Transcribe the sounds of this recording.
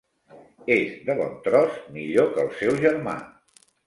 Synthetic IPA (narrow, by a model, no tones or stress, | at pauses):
ezðəβɔ̰nt̪ɾɔzmiʎokəlˠsɛwʒəɾma̰